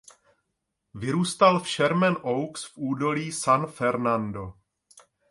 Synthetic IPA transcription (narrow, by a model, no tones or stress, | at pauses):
vɪɾuːst̪alfʃɛɾmɛnʔowksfʔuːdo̞liːsanfɛɾnando̞